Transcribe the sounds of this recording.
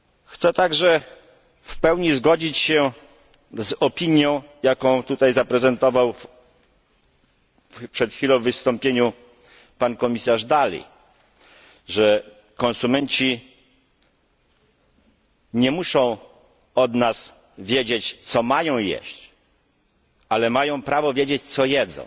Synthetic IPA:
xt̪sɛt̪aɡʐɛ | fpɛwɲizɡɔd͡ʑit͡ɕɕɛ | zɔpʲiɲjɔ̃w̃jakɔ̃w̃t̪ut̪ajzapɾɛzɛnt̪ɔvaw | pʂɛt̪xʲfʲilɔ̃w̃vːɘst̪ɔmpʲjeɲu | pankɔmʲisaʐd̪alʲḭ | ʐɛ | kɔ̃ñsumɛɲt͡ɕi | ɲɛmuʂɔ̃w̃ | ɔd̪nas | vʲjed͡ʑet͡ɕt̪sɔmajɔ̃w̃jɛ̰ɕt͡ɕ | alɛmajɔ̃w̃pɾavɔvʲjed͡ʑet͡ɕt̪sɔjɛd̪zɔ̰̃w̃

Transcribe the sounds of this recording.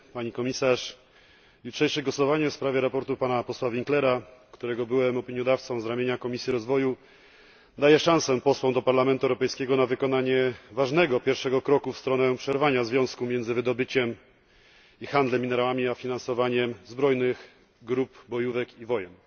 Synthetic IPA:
paɲikɔmʲisaʂ | jutʂɛjʂɘɡwɔsɔvaɲɛfspɾavʲjɛɾapɔɾt̪upanapɔswavʲiŋklɛɾakt̪uɾɛɡɔbɘwɛmɔpʲiɲjɔd̪aft̪sɔ̃w̃zɾamʲjeɲakɔmʲisʲjiɾɔzvɔju | d̪ajɛʂãw̃sɛpɔswɔ̃w̃d̪ɔpaɾlamɛnt̪uɛwɾɔpɛjskʲɛɡɔnavɘkɔn̪aɲɛvaʐnɛɡɔpʲjɛɾfʂɛɡɔkɾɔkufst̪ɾɔnɛpʂɛɾvaɲazvʲjɔ̃w̃skumʲjɛndzɘvɘd̪ɔbɘt͡ɕɛm | ixand̪lɛmʲːinɛɾawamʲiafʲinansɔvaɲɛmzbɾɔjnɘɣ | ɡɾupbɔjuvɛkivɔjɛn

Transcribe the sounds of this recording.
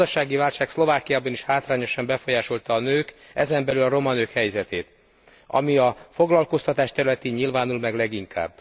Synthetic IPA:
ɒʃaːɡivaːlʃaːkslo̞vaːkijaːbɒniʃhaːt̪raːɲo̞ʃɒmbɛfo̞jaːʃo̞lt̪ɒːnøːkɛzɛmbɛlylɒɾo̞mɒnøːkhɛjzɛt̪eːt̪ | ɒ̰miɒfo̞ɡlɒlko̞st̪ɒt̪aːʃt̪ɛɾylɛt̪eːɲɲilvaːnulmɛɡlɛɡiŋkʰa̰ːbː

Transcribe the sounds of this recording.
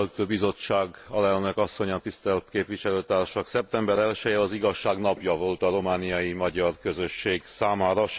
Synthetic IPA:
lt̪øːbizo̞t͡ʃːaːɡɒlɛlnø̞kɒsːo̞ɲɒt̪ist̪ɛlt̪keːpʋiʃɛløːt̪aːrʃɒksɛp̚t̪ɛmbɛɾɛlʃɛjɛɒziɡɒʃːaːɡnɒpjɒvo̞lt̪ɒɾo̞maːnijɒjimɒɟɒrkø̞zø̞ʃːeːɡsaːmaːɾɒʃ

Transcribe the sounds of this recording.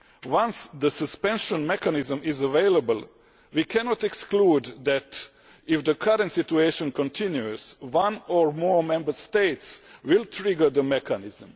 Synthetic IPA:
wãnsd̪əsəspɛ̃nʃɔ̃nmɛkanɪzə̃mɪzəʋeɪlabəl | wikʰɛnɔt̪ɛkskluːd̪d̪æt̪ | ɪfd̪əkʰaɾə̃nt̪sit̪ueɪʃɔ̃nkɔ̃nt̪ʰĩnjuswãnoɹmoːɹmɛ̃mbəst̪eɪt̪swilˠt̪ɾɪɡəd̪əmɛkʰanɪzə̃m

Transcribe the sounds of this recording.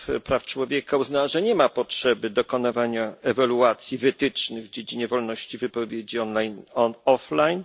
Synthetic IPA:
pɾaft͡ʂwɔvʲjekauznawaʐɛɲɛmapɔtʂɛbɘd̪ɔkɔnavaɲaɛvaluat̪sʲjivɘt̪ɘt͡ʂnɘɣvd͡ʑed͡ʑiɲɛvɔlnɔɕt͡ɕivɘpɔvʲjed͡ʑiɔnlajnɔɔflajn

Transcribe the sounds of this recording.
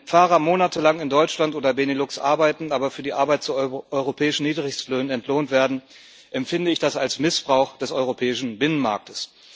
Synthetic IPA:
faːʁɐmoːnatʰəlaŋɪndɔʏt͡ʃlantʔoːdɐbenelʊksʔa̰ɐbaɪtn̩aːbɐfyːɐdiːʔaɐbaɪt̚t͡suːʔɔʏʁopʰɛːɪʃn̩niːdʁɪçstløːnənɛntʰloːntv̥eːɐdn̩ | ʔɛmfɪndəɪçd̥asalsmɪsb̥ʁaʊxd̥ɛsɔʏʁopʰɛːɪʃn̩bɪnənma̰ɐk̚təs

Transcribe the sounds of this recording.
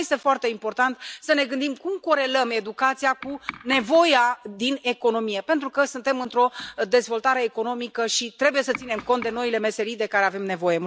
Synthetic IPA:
jest̪e̞foart̪e̞impo̞rt̪ant̪səne̞ɡɨnd̪imkumko̞ɾe̞ləme̞d̪ukat̪siakune̞vo̞jad̪ine̞ko̞no̞mije̞pe̞nt̪ɾukəsunt̪e̞mɨnt̪ɾo̞d̪e̞zvo̞lt̪aɾe̞ːko̞no̞mikəʃit̪ɾe̞buje̞sət̪sine̞mko̞nt̪̚d̪e̞noile̞me̞se̞ɾijd̪ekaɾe̞ave̞mne̞vo̞je̞

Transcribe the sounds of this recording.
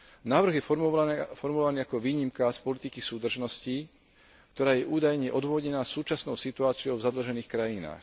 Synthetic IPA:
naːʋr̩ɣjɛ | fɔɾmulɔʋaniːakɔʋiːɲimkaspɔlit̪ikisuːd̪r̩ʒnɔsci | kt̪ɔɾaːjɛʔuːd̪ajɲɛʔɔd̪ʋʋɔɟɛnaːsːuːt͡ʃasnɔʊsit̪uaːt͡siɔʊvzad̪l̩ʒɛniːxkɾajina̰ːx

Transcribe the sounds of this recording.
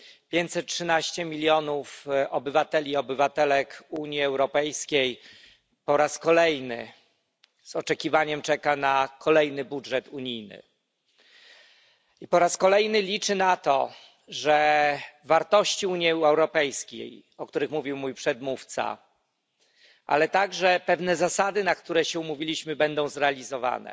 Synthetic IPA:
pʲjeɲt͡ɕ̪sɛt̪̚tʂɘnaɕt͡ɕɛmʲilʲjɔnufɔbɘvat̪ɛlʲiɔbɘvat̪ɛlɛkuɲiɛwɾɔpɛjskʲej | pɔɾaskɔlɛjnɘ̰ | zɔt͡ʂɛkʲivaɲɛmt͡ʂɛkanakʰɔlɛjnɘbudʐɛt̪uɲijnɘ̰ | ipɔɾaskɔlɛjnɘlʲit͡ʂɘnat̪ɔ̰ | ʐɛvaɾt̪ɔɕt͡ɕiuɲjɛɛwɾɔpɛjskʲḛj | ɔkt̪uɾɘxmuvʲiwmujpʂɛd̪muft̪sa̰ | ʔa̰lɛt̪aɡʐɛpɛvnɛzasad̪ɘnakt̪uɾɛɕɛumuvʲilʲiɕmɘbɛnd̪ɔ̃w̃zɾɛalʲizɔva̰nɛ̰

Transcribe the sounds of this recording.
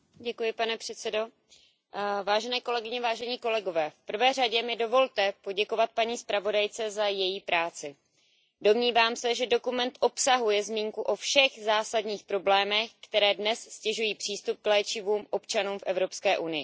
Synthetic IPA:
ɟɛkujɪpanɛpr̝̥ɛt̪t͡sɛdo̞ | vaːʒɛnɛːko̞lɛɡɪɲɛvaːʒɛɲiːko̞lɛɡo̞vɛːfpr̩vɛːr̝aɟɛmɪdo̞vo̞lt̪ɛpo̞ɟɛko̞vat̪̚paɲiːspɾavo̞dajt͡sɛzajɛjiːpɾaːt͡sɪ | do̞mɲiːvaːmsɛʒɛdo̞kumɛnt̪ʔo̞psaɦujɛzmiːŋkuʔo̞fʃɛɣzaːsadɲiːxpɾo̞blɛːmɛxkt̪ɛɾɛːdnɛsscɛʒujiːpr̥iːst̪up̚klɛːt͡ʃɪvuːmʔo̞pt͡ʃanuːmfʔɛvɾo̞pskɛːʔunɪjɪ̰

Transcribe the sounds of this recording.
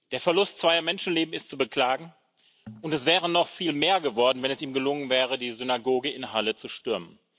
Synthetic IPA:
d̥eːɐfɛɐlʊstt͡sv̥aɪɐmɛnʃn̩leːbm̩ɪstt͡subəkl̥aːɡŋ̩ | ʔʊntɛsv̥ɛːʁənɔχfiːlmeːɐɡəvɔɐdn̩vɛnɛsiːmɡəlʊŋənvɛːʁədiːzʏnaɡoːɡəɪnɦalət͡suʃtʏɐmən

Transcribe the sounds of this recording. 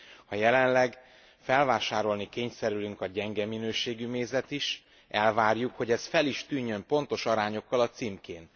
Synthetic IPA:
hɒjɛlɛnlɛɡ | fɛlvaːʃaːɾo̞lnikeːɲsɛɾylyŋkɒɟɛŋɡɛminøːʃeːɡymeːzɛt̪iʃ | ʔɛlvaːrjukho̞ɟɛsfɛliʃt̪yːɲːø̞mpo̞n̪t̪o̞ʃɒɾaːɲo̞kːɒlɒt̪simkeːn

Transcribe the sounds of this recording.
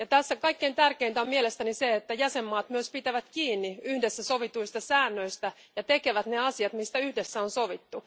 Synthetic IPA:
jɑt̪æsːækɑikːe̞int̪ærkeint̪æommielest̪æniseet̪ːæjæsemːɑːt̪myøspit̪æʋæt̪kiːnːiyhdesːæso̞ʋit̪uist̪ɑsæːnːø̞ist̪æ | jɑt̪ekeʋæt̪neɑsiɑt̪mist̪æyhdesːæo̞nsoʋit̪ːu

